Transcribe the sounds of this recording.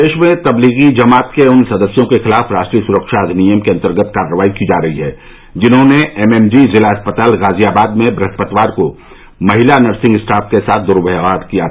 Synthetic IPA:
d̪eːʃmẽt̪ɐbliːɣid͡ʒɐmaːt̪keʊnsɐd̪əsjõkexɪlaːfɾaːʃʈɾiːəsʊɾəkʃaɐd̪ʱnijəmkeɐ̃nt̪əɾɡət̪kaːɾːəʋaːikid͡ʒaːɾɐɦiɦɛː | d͡ʒɪnɦõneɛmɛmd͡ʒizɪlaɐspət̪aːlɣaːzijaːbaːd̪mẽbɾɐt̪ʰpət̪ʋaːɾko | mɐɦɪlanɐɾsɪ̃ŋɡɪsʈaːfkesaːt̪̚ʰd̪ʊɾʊbəaːʈkija

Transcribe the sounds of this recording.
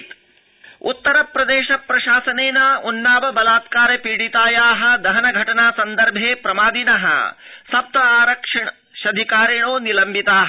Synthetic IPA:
ṵt̪ːɐɾɐpɾɐd̪eːʃɐpɾɐʃaːsɐneːnɐunːaːʋɐbɐlaːt̪kaːɾjɐpiːɽit̪aːjaːɦɐ̆d̪ɐɦɐnɐɡʱɐʈɐnaːsɐnd̪ɐɾbʱeːpɾɐmaːd̪inɐɦɐ̰sɐp̚t̪ʋɐaːɾɐkʂɐɳ | ʃɐd̪ʱikaːɾɐɳ̃oːnilɐmbit̪aːɦɐ

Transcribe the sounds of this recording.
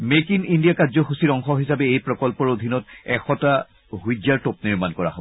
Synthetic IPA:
mekinindijakazɔxusiɔŋxɔɦisabɛejpɹɔkɔlpɔɹodʱinɔtɛxɔta | ɦujd͡ʒjaɹtop̚niɹmankɔɹa̰ɦobɔ

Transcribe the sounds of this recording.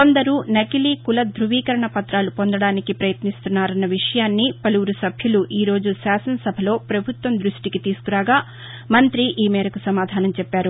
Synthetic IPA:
kond̪ɐɾuːnɐkilikulɐd̪ɾuʋiːkɐɾɐɳɐpɐt̪ɾaːlupond̪ɐɽaːnikipɾɐjɐt̪nist̪unːaːɾɐnːɐʋiʂɐjaːnːipɐluʋɾusɐbʱjuluʔiːɾo̞ːd͡ʒuʃaːsɐnɐsɐbʱɐlo̞ːpɾɐbʱut̪ʋɐmd̪ɾuʂʈikit̪iːsu̥kuɾaːɡaː | mɐnt̪ɾiʔiːmɛːɾɐkusɐmaːd̪ʱaːnɐmt͡ʃɛpːaːɾu

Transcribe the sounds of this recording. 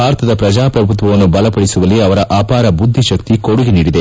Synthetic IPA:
aːɾt̪ʰɐd̪ɐpɾɐd͡ʒaːpɾɐbʱut̪̬ʋɐʋɐnːubɐlɐpɐɽisuʋɐlːiɐʋɐɾɐʔaːpaːɾɐbud̪ʱːiʃɐk̚t̪ikoɽuɡeniːɽid̪e̞

